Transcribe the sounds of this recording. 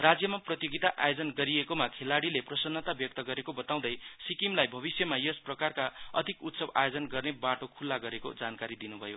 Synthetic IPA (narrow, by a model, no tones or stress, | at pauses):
rad͡zjʌmaprʌt̪joɡit̪aʔajod͡zʌnɡʌɾiekomakʰelaɽileprʌsʌnːʌt̪abjʌk̚t̪ʌɡʌɾekobʌt̪aw̃d̪ʌjsikimlajbʱʌβisjʌmajʌsprʌkarkaʌ̰d̪ʱikut̪sʌba̰jod͡zʌnɡʌrnebaʈokʰulːaɡʌɾeko̰d͡zankaɾid̪inubʱʌjo̰